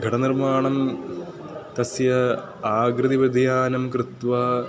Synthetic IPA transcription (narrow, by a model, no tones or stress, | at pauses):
ɡʱɐʈɐnirmaːɳɐm | t̪ɐsjɐ | aːɡɾɨd̪iʋɐd̪ʱjaːnɐmkɾɨt̪ʋɐ